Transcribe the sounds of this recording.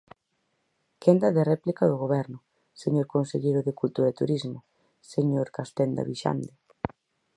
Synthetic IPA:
kend̪ɐðɪrɛplikaðʊɣ̞oβɛɾnʊ | seɲoɾkonseʎejɾʊðɪkult̪uɾaet̪uɾizmʊ | seɲoɾkast̪ɛnd̪a̰βiʃa̰nd̪ɪ

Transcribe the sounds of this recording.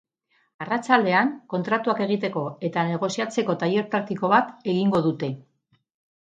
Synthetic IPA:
arat͡ʃald̪e̞aŋko̞nt̪ɾat̪uake̞ɣ̞it̪e̞ko̞e̞t̪ane̞ɣ̞o̞siat͡se̞ko̞t̪aje̞ɾpɾak̚t̪iko̞βat̪e̞ɣiŋɡo̞ðut̪e̞

